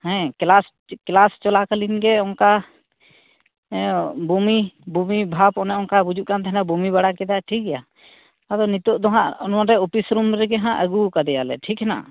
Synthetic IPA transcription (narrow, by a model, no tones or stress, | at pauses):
hɛ̃klas | klast͡ʃɔlakəlinɡɛɔŋka | bumibumibʱapɔnɛɔnkabud͡ʒuʔkant̪ʰɦɛnabumibaɽakɛd̪aʈʰik̚ɡɛja | ad̪ɔnit̪ɔʔd̪ɔɦaʔɔnmãɾɛupisɾumɾɛɡɛɦãʔəɡukad̪ɛjalɛ̰ʈʰikɦɛna̰ʔ